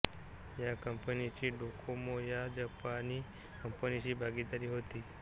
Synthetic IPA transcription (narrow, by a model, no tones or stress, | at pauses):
jakəmpənit͡ɕiːɖokʰomojad͡ʑəpani | kəmpənit͡ɕiːbʱaɡid̪aɾiːɦot̪iː